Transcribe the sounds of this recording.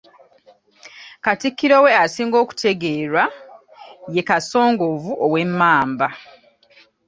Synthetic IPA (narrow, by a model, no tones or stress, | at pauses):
katikːiɾo̞we̞asiːŋɡo̞ːku̥tʰe̞ɡe̞ːɾwa | je̞kaso̞ːŋɡovuʔowe̞mːaːmba